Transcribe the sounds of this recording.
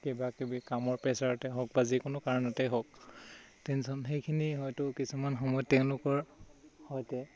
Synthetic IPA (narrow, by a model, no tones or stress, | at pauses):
kebakibikamɔɹpɛsaɹɔtɛɦɔk̚bazikʊnʊkaɹɔnɔtɛɦɔk̚ | tɛnsɔnxejkʰiniɦɔjtʊkisumanxɔmɔjɔtːɛʊ̃lʊkɔɹhɔjtɛ